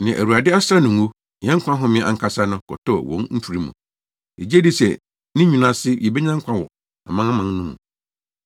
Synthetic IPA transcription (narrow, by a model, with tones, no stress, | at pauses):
nɪ̃˨ʔæ̰˨wu˨a˨dɪ˦a˦sɾa˦nʊ̃˨ŋ˦u˦˨ | ɛ̃˦ŋ̩˦kʰʷã˦ɦʊ̃˦mɪ̃˦ʔa̰˨ŋ̩˨kʰa˦sa˦nʊ̃˦kʰɔ̰˨tʰɔ˦˨wɔ̃˨˦nn̩˦tʰu˨ɾi˦mṵ̃˨ | e˨d͡ʑæ˦di˦sɛ̰˨ | nɪ̃˦ɲĩ˨nã˦sɪ˦jɛ˨be˦ɲã˦ŋ̩˦kʷʰã˦wɔ˨ | a̰˨mã˦a˦mã˨ŋnʊ̃˦mṵ̃˨